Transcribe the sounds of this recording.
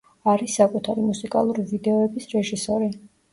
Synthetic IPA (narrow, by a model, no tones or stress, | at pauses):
aɾisːakʼut̪ʰaɾimusikʼalˠuɾivid̪ɛɔɛbisɾɛʒisɔɾi